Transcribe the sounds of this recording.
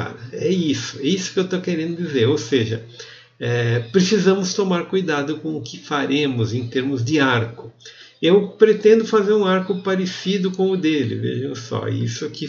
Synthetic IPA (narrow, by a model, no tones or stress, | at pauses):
a̰ɾɐɛisʊɛisʊ̥kɪewt̪okeɾẽnd̪ʊd̪izeɾowseʒɐ | ɛpɾesizɐ̃mʊst̪omaɾkujd̪ad̪ʊkõʊkɪfaɾẽmʊzẽt̪eɾmʊzd̪ɪaɾkʊ | ewpɾet̪ẽnd̪ʊfazeɾũaɾkʊpaɾesid̪ʊkõʊd̪elɪ̰vḛʒɐ̃w̃sɔ̰ḭsʊkɪ